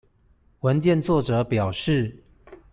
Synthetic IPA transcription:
wə˧˦nt͡ɕjɛ˥˨nt͡swɔ˥˨ʈ͡ʂɤ˨˦pjɑ˨˩ʊʂɻ̩˥˨

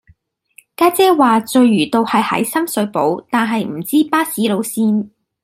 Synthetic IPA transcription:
kaː˥t͡sɛː˥waː˨t͡sɵ˨˧ɥɥyː˨˩t̪o˨˧whɐ˨jhɐ̰˨˥jsɐ˥msɵ˨˧˥ɥpo̰˨˥wt̪aː˨nɦɐ˨jm̩˨˩t͡siː˥paː˥siː˨˥lo˨˧wsiː˥n

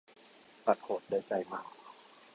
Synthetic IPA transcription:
pa˨˩t̪̚kʰo˨˩t̪̚daː˥˩jt͡ɕa˧˩jma˨˩k

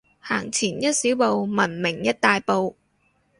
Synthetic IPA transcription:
haː˨˩ŋt͡sʰiː˨˩njɐ˥t̚siː˨˥wpo˨wmɐ˨˩nmɪ˨˩ŋjɐ˥t̚t̪aː˨jpo˨˧w

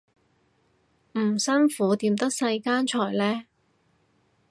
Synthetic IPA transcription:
m̩˨˩sɐ˥nfuː˨˥t̪iː˧mt̪ɐ˥k̚sɐ˧jkaː˥nt͡ʃʰɔː˨˩jlɛː˥

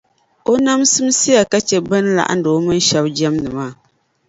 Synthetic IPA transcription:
o˦na˦msɨ˦m˦si˦ja˨ka˦t͡ʃɛ˦bɨ˦n˦la̰˨ʔa̰˦n˦do˨˦mɨ˦n˦ʃa˦bd͡ʒɛ˦mnɨ˨maː˦˨

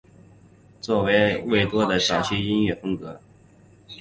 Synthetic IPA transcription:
t͡swɔ˥˩we˧˥ɪwe˥˩ɪt̪wɔ˥d̪ə˨ʈ͡ʂɑ˨˩ɕʰi˥i˥nɥɛ˥˩fʊ˥ŋkɤ˧˥

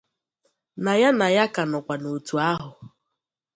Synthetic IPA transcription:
na˨ja˦na˨ja˦ka˨nɔ˨kʷa˨no˨tu˨a˦ɦʊ˨

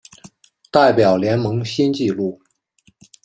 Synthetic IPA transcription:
t̪a˥˩ɪpjɑ˨˩ʊljɛ˧˥nmɤ˧˥ŋɕi˥nt͡ɕi˥˧lu˥˩

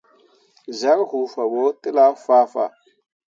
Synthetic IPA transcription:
za˦lhu˨fa˨wo˦tʼə˦la˦fa˦fa̰˨

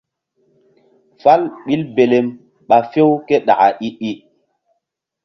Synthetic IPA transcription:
fa˦lɓi˦lbe˨le˨m | ɓa˨fe˦wke˦ɗa̰˨a˨ʔi˦ʔi˦

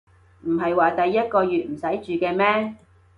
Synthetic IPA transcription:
m̩˨˩ɦɐ˨jwaː˨t̪ɐ˨jːɐ˥t̚kɔː˧jyː˨t̚m̩˨˩sɐ˨˥jt͡ʃyː˨kɛː˧mɛː˥

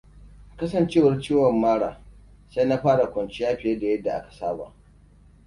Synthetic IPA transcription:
kɐ˦sɐ˨nt͡ʃeː˦˨wɐ˨rt͡ʃiː˦wɐ˨mːaː˦ɽaː˨ | sa˦jna˦ɸaː˦ɽa˨kʷɔ˨nt͡ʃi˦jaː˦ɸɪ˨jɛ˦da˨jɐ˦dːa˨ʔa̰˦kḁ˨saː˦ba̰ː˨

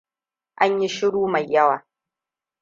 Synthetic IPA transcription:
ʔa˦ɲji˦ʃɪ˦ɽuː˦ma˨jːɐ˦waː˨

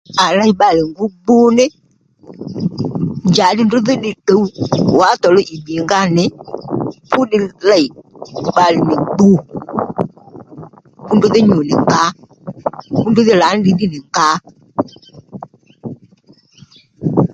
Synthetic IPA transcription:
a˨la˦i˨ɓa˨lɪ˨ŋ˦ɡu˦ɡ͡bu˦nɪ˦ | d͡ʒa˨dɪ˦ndʊ˦ðɪ˦ɗɪ˨te˨˦u˦wa˨˦tɔ˨lʊ˦ʔi˨ɓi˨ŋɡa˦nɪ˨ | pu˦ɗɪ˧la˦˨i˨ɓa˨lɪ˨nɪ˨ɡ͡bu˦ | pu˦ndʊ˦ðɪ˦ɲu˨nɪ˨ŋ˨ka˦ | ku˦ndu˦ðɪ˦la˨˦n˦di˨˦di˦nɪ˨ŋka˦

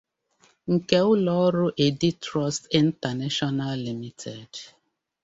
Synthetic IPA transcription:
ŋ̩˨ke˦ʊ˦lɔ˦ɔ˦ɾʊ˦ʔe˨di˦tɾɔ˦sti˨n̩˦ta˨ne˦ʃɔ˦na˦lːi˨mi˦tʰe˨d

